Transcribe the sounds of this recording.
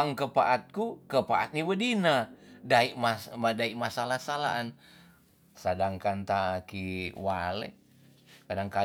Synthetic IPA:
aŋkəpa̰ʔat̪̚kukəpaʔat̪̚nibədinadaiʔmamadaiʔmasalahsala̰ːn | sadaŋkant̪akiwalḛ | kadaŋka

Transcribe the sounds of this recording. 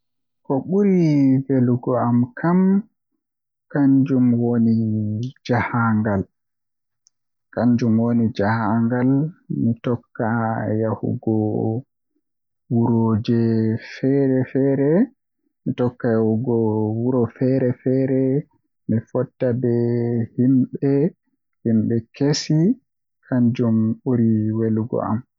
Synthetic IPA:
kɔɓuɾiveluɡɔamkʰam | kaɲd͡ʒumwonid͡ʒahaŋɡal | kaɲd͡ʒumwonid͡ʒahaŋɡalmitɔkːajahṵɡɔ | wuɾod͡ʒɛfɛɾɛfɛɾɛ | mitɔkːajahuɡɔwuɾɔfɛɾɛfɛɾɛ | mifɔtːabɛhimɓɛ | himɓɛkʰesi | kʰaɲd͡ʒumoɾiweluɡɔ̰a̰m

